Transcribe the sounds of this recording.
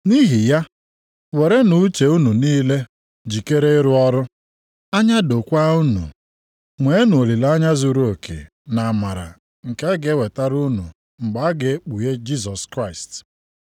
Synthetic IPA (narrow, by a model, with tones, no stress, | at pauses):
ni˦ɦi˨ja˦ | we˨ɾe˦nu˨˦t͡ʃe˨u˦nu˨niː˦le˦ | d͡ʒi˨ke˦ɾe˦ɾʊ˦ɔ˦ɾʊ˦ | a˦ɲa˦do˨kʷa˦u˦nṵ˨ | ŋʷe˨˦e˦nu˨o˨li˨la˦ɲa˦zu˨ɾu˦o˨kʰḛ˨ | na˨ma˨ɾa̰˨ | ŋ̩˨ke˦ɡe˦we˨ta˦ɾu˦nṵ˨ | ŋ͡m̩˨ɡ͡ba˨˦ɡe˨e˦k͡pu˨je˦d͡ʒi˦sɔ˨skɾa˦˨ɪ˨st